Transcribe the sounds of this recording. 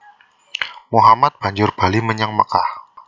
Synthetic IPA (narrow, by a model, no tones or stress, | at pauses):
muɦamat̪̚b̥a̤ɲd͡ʒʊrb̥a̤liməɲaŋməkah